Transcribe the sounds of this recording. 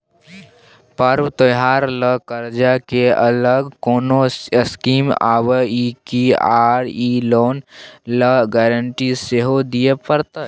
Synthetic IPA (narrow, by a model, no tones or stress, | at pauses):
pəɾwt̪əjɦaːɾləkəɾd͡ʒakeə̰ləɡkoːnoskiːma̰ːwəikiaːɾiloːnləɡɛːɾəɳʈiseɦod̪ijepəɾt̪ə